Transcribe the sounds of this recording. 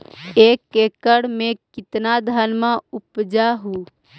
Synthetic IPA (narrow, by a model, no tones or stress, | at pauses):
eːkːekəɽmẽkɪt̪nad̪ʱənmãupd͡ʒaɦu